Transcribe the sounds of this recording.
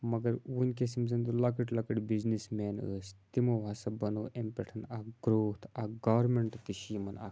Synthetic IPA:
mɐɡɐɾunʲkesimzɐnt̪ulɐkəʈlɐkəʈbiznismɛnəːst̪imoʋasɐbɐnoːʔempʲɛʈʰɐnaɡɾoːt̪ʰaɡaʋɾmeɳʈt̪iɕimɐna̰

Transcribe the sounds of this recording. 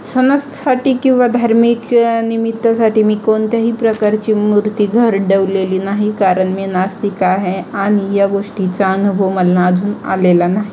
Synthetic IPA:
sənəst̪saʈiːkĩw̃ʋad̪ʱaɾmiknimit̪ːəsaʈiːmiːkoɳt̪jaɦiːpɾəkaɾt͡ɕiːmuɾt̪iːɡʱəɾɖeʋleliːnaɦikaɾəɳmenast̪ikaɦeaɽ̃ijaɡoʂʈit͡saənubʱəʋməlːãːd̪ʱuːna̰lelanaɦi

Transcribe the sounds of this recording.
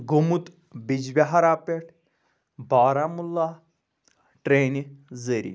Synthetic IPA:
ɡomut̪ | bid͡ʑʋʲaɦaɾaːpeʈʰ | baːɾamulːa | ʈɾenizəɾḭ

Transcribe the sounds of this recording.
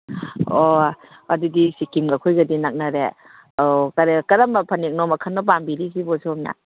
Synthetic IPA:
o | ɐdudisikimɡakʰojɡɐdinak̚nɐɾe | ɔkaɾekɐɾɐmɐpʰɐnek̚nɔmɐkʰanːɔp̬ambiɾisibɔsoma̰

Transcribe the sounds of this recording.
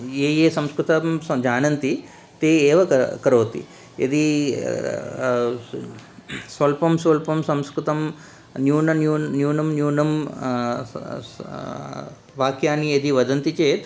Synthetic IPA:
eːjeːsɐmskɾut̪ɐmsɐd͡ʒaːnɐnt̪i | t̪eːeːʋɐkɐɾoːt̪ḭ | ḛd̪i | sʋɐlpɐmsʋɐlpɐmsɐmskɾut̪ɐm | njuːnɐnjuːnjuːnɐmnjuːnɐm | ʋaːkjaːnied̪iʋɐd̪ɐnt̪it͡ʃeːt̪

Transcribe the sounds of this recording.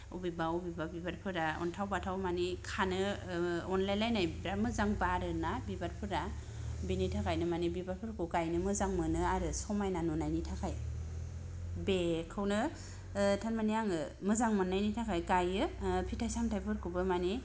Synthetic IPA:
ubibaubibabibaɾpʰɯɾaɔ̰ntʰawbatʰawmanikʰanɯɔnlajlajnajbɾamɯzaŋbaɾɯnabibaɾpʰɯɾa | binitʰakʰajnɯmanibibaɾpʰɯɾkukajnɯmɯzaŋmɯnɯaɾɯsɔmajnanunajnitʰakʰaj | bekʰɯwnɯ | tʰanmaniaŋɯ | mɯzaŋmɔnːajnitʰakʰajkajɯpʰitʰajsaŋtʰajpʰɯɾkʰubɯmani

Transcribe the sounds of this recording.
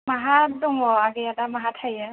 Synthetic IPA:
maɦatdɔŋɔaɡɛatamaɦatʰhajɛ

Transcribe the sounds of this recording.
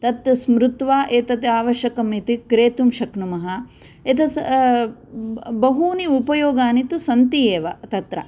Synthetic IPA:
t̪ɐt̪smɾut̪ʋaːʔeːt̪ɐt̪aːʋɐʃjɐkɐmit̪ikɾeːt̪umʃɐknumɐɦɐ | et̪ɐ | bɐɦuːniupɐjoːɡaːnit̪usɐnt̪ijeːʋɐt̪ɐt̪ɾɐ̰

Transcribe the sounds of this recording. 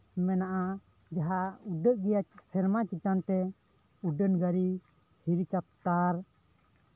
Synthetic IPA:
mɛnaʔa | d͡ʒaɦauɖəʔɡɛjapʰɛɾmat͡ʃit̪ant̪ɛ | uɖənɡaɾi | hiɾit͡ʃap̚t̪aɾ

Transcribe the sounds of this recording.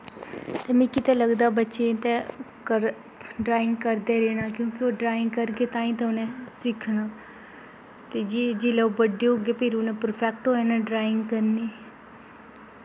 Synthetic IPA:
t̪eːmĩːkɪt̪eːləɡd̪aːbətːʃet̪ekəɾ | ɖɾaːɪŋɡ̚kəɾd̪eːɾeːnaːkjõːkɪoːɖɾaːɪ̃ŋɡ̚kəɾkeːt̪ãːĩːt̪eʊnẽsɪkʰnaː | t̪eːd͡ʒiːd͡ʒiːlɛobəɖeʊɡeːpɪɾʊnẽːpɾpʰɛːk̚ʈɦoːeːnãːɖɾaːɪ̃ŋɡkəɾneː

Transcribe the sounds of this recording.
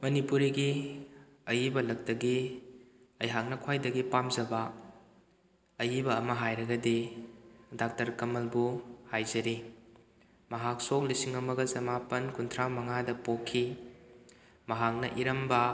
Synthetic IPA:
mɐnipuɾiɡi | ɐjibɐlɐk̚tɐɡi | ɐjɦak̚nɐkʰwajdɐɡipamzɐbɐ | ɐjibɐːmɐɦajɾɐɡɐdi | dak̚tɐɾkɐmɐlbuhajzɐɾi | mɐɦak̚sok̚lisiŋɐmɐɡɐzɐmapɐnkuntʰɾamɐŋadɐpokʰːi | mɐɦak̚nɐʔiɾɐmbɐ

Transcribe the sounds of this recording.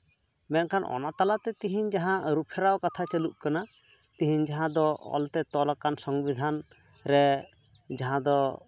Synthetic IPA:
mɛnkanʔɔ̰nat̪alat̪ɛt̪iɦiɲd͡ʒaɦãʔɾupʰɛɾawkat̪ʰat͡ʃɛluʔkana | t̪iɦiɲd͡ʒaɦãd̪ɔɔ̰lt̪ɛt̪ɔlakansɔŋbid̪ʱan | ɾɛ | d͡ʒaɦãd̪ɔ

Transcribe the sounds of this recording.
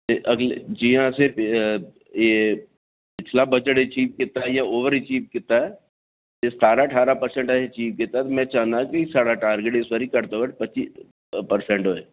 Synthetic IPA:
eʔɐɡled͡ʒijãsep | je | pɪt͡ʃʰlabɐd͡ʒəʈit͡ʃiːp̚kɪt̪aɦɛjaoːʋəɾit͡ʃiːp̚kɪt̪aɦɛ | esaːɾaʈʰaːɾapɐɾsɛ̃ɳʈaet͡ʃiːp̚kɪt̪ːaɦɛt̪omɛ̃t͡ʃaːnt̪ãkisaːɽaʈaːɾɡeʈɪswaɾikɐɾt̪okəʈpɐt͡ʃːʃiː | pɐɾsɛ̃ɳʈɦoːe

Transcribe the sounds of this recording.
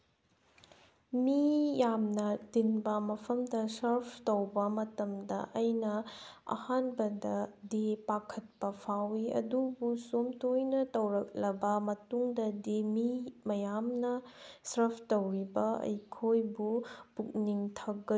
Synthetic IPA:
mijamnɐdinbɐmɐpʰɐmdɐsɐɾpʰtowbɐmɐtɐmdɐ̰ʔɐjnɐɐ̰hanbɐdɐdipakʰɐt̚pɐpʰawiɐ̰dubusomtojnɐtɐwɾɐk̚lɐbɐmɐtuŋdɐdimimɐjamnɐsɐɾpʰtowɾibɐɐ̰jkʰojbupuk̚niŋtʰɐɡɐ

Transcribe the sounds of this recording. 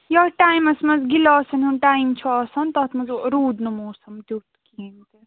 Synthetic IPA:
jɐʈaːjmɐsmɐzɡilɔːsɐnunʈaːjimt͡ʃʰuɔːsɐnt̪ɐt̪ʰmɐzɾuːd̪numoːɾsɐmt̪ʲut̪kint̪i

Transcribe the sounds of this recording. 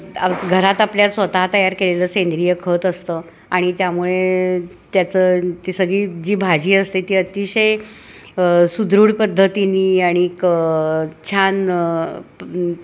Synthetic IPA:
ɡʱəɾat̪apljasʋət̪aɦt̪əjaɾkeleləsend̪ɾijəkʰəːt̪əst̪əː | aɽ̃it̪jamuɭe | t̪jat͡səːt̪isəɡɭiːd͡ʑiːbʱad͡ʑiːəst̪et̪iːət̪iɕəj | əsud̪ɾuːɽpəd̪ʱːət̪iniːaɽ̃ikət͡ɕʰan

